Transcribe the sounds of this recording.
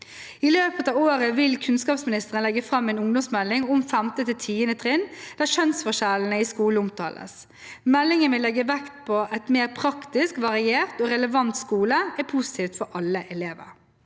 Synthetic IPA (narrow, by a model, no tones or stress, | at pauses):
ɪløːpət̪ɑːʋoːɾəʋɪlkʰʉnskɑːpsmɪnɪst̪əʁənlɛɡːəfɾɑmːɛɪnʊŋd̪ɔmsmɛlːɪŋɔmfæmt̪ət̪ʰɪlt̪ʰiːənət̪ʰʁɪnd̪̥æːʂœnsfɔʂæln̩əɪskuːləʊmt̪ʰɑ̰ːlə̰s | mɛlːɪŋənʋɪlɛɡːəʋɛkt̪̚pʰɔʔɛt̪meːʁpʰɾɑkt̪ɪskʋɑɾɪeːɾt̪oːɾɛləʋɑnt̪skuːləɛpʰusɪ̥t̪ʰiːft̪fɔɾʔɑlːəʔɛleːʋə̰ɾ